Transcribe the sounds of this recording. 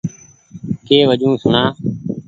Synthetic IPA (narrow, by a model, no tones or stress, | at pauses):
keːʋəd͡ʒũːsənaː